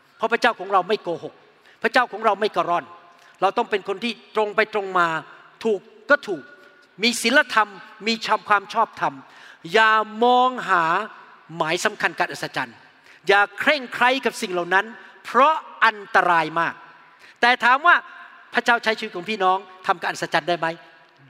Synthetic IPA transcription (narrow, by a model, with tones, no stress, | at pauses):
pʰɔ˦˥pʰɾa˥t͡ɕa˥˩wkʰɔː˩˦ŋɾa˧wma˥˩jkoː˧ho˨˩k̚ | pʰɾa˥˩t͡ɕaː˥˩wkʰɔː˩˦ŋɾa˧wma˥˩jkɔː˧˩ɾɔ˥˩n | ɾa˧wt̪ɔ˥˩ŋpe˧nkʰo˧nt̪ʰiː˥˩t̪ɾo˧ŋpa˧jt̪ɾo˧ŋmaː˧ | t̪ʰuː˨˩kːɔː˥˩t̪ʰuː˨˩k̚ | miː˧si˨˩˦nla˧t̪ʰa˧mːiː˧t͡ɕʰa˧mkʰwaː˧mt͡ɕʰɔː˥˩p̚t̪ʰa˧m | jaː˨˩mɔː˧ŋɦaː˩˦ | maː˩˦jsa˩˦mkʰa˧nka˨˩ʔa˨˩t̪̚sa˧t͡ɕa˧n | jaː˨˩kʰɾe˥˩ŋkʰɾa˦˥˩jka˨˩p̚si˨˩ŋla˨˩wna˦˥npʰɾɔ˦˥ʔa˧nt̪a˧ɾaː˧jmaː˥˩k̚ | t̪ɛː˨˩t̪ʰaː˨˦mwaː˥˩ | pʰɾa˥t͡ɕaː˥˩wt͡ɕʰa˦˥jʰt͡ɕiː˧˦t̪̚ʰɔː˩˦˥pʰiː˥˩nɔː˦˥ŋt̪ʰa˧mka˧ʔa˨˩sa˧t͡ɕa˧ndaː˥˩jma˦˥j